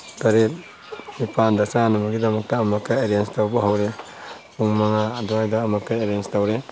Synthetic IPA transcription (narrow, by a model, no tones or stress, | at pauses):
taɾet̚ | mipʰandasanamaɡidɐmɐk̚taːmakːaeɾienstawbaɦawɾe | puŋmaŋadɔajdaːmakːajeɾijenstawɾe